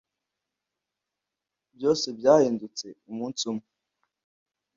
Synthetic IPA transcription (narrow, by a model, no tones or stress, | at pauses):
bjo̞ːsebjaːhiːndut͡seumuːnt͡sumu